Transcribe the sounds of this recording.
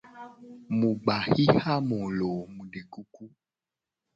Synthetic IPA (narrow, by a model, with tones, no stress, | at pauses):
mũ˨ɡ͡ba˨xi˦ha˦mõ˨lo˨mũ˨ɖe˨ku˦ku˦